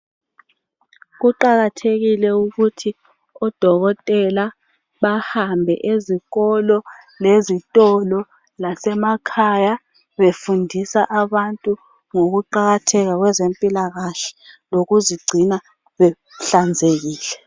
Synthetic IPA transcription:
ɣuǃaɣatʰeɣilɛuɣutʰi | ɔd̥ʱɔɣɔtʼɛla | βahambʱɛ̰ʔeziɣɔlɔlezitʼɔlɔ | lasɛmakʰaja | βefundʱisaʔaβantʼu | ŋoɣuǃaɣatʰɛɣaɣwɛzempʼilaɣaɬɛ̥loɣuziɡ͡ǀʱina | βɛ | ɬand͡zʱeɣiːlɛ

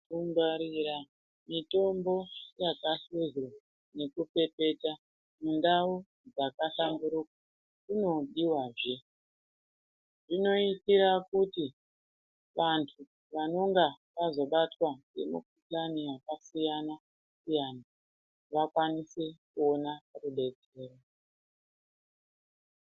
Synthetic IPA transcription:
umbaɾiɾa | mito̞mbo̞jakaɬezwa | ne̞kupe̞pe̞ta | mundau | d͡zakaɬamduɾukwa | kuno̞ɗiwaːʐe̞ | ʐino̞itiɾakuti | ʋantʰu | ʋano̞ŋɡa | ʋazo̞ɓatwaŋɡḛmṵkutaniwakasijana | sijana | ʋakwanise̞kuo̞naruɓe̞d͡z | e̞ːro

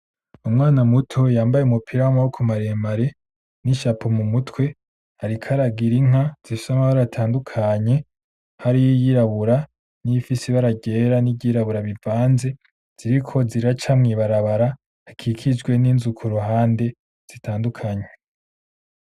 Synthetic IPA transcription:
umŋaːnamutʰo̞jaːmbajeumupʰiɾawamawokʰumaɾemaɾe̞ | niʃapʰomumutwe̞ | haɾikʰaɾaɡiɾiŋ̥az̥ifi̥samahaɾaatʰaːndukʰaɲe̞ | haɾijijiɾaβuɾa | niifisiβaɾaɟe̞ːɾanibɟiɾaβuɾaβivaːnze̞ | z̥iɾikʰo̞ziɾiɾat͡ʃamŋiːβaɾaβaɾaː | kʰikʰid͡ʒɡwe̞ninzukʰuɾoɦaːnde̞ | z̥itʰaːndukʰaɲe

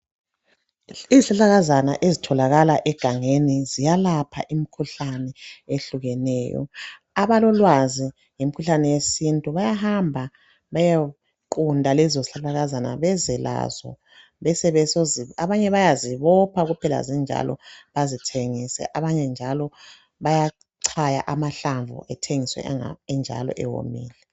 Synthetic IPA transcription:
iziɬaɬaɣazana̰ʔezitʰɔlaɣalaʔɛɡ̥ʱaŋenizijalapʰa̰ʔimikʰuɬanɛeɬuɣɛnɛ̰ːjɔ̰ | aβalɔlwazi | ŋimikʰuɬanɛwesintʼuβajaɦambʱa | βaja | ǃundʱalɛzoziɬalaɣazana̰βɛzɛla̰zɔ̰ | βɛsɛβɛsoziaβaɲɛβajaziβɔpʰaɣupʰɛla̰zind͡ʒʱa̰lɔ̰βazitʰeŋisɛ̰ʔaβaɲɛnd͡ʒʱalɔ | βaja | ǀʰaja̰ʔamaɬaɱvṵʔɛtʰeŋiswɛ̰ɛnd͡ʒʱa̰lɔ̰ʔɛ̰wo̰mḭːlɛ

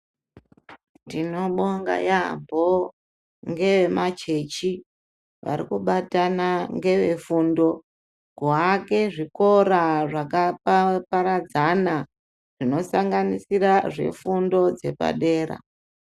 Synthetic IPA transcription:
ndino̞ɓoŋɡa̰jambo | ŋɡe̞ʋemat͡ʃe̞t͡ʃi | ʋa̰ɾikuɓatanaŋɡe̞ʋe̞fundo̞ | ɡwake̞ʐiko̞ɾaʐakapapaɾad͡zana | ʐ̥ino̞saŋɡanisiraʐe̞̰fundo̞d͡ze̞pa̰ɗe̞ːɾa̰

